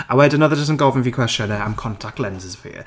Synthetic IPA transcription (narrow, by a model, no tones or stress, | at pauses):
awɛdənəðəd͡ʒəs̬tɪ̃nɡɔlˠvɪ̃nfikʰw̥ɛst͡ʃə̃nəãmkʰɔ̃ntʰak̚tˡlɛ̃nzəzəpʰḭə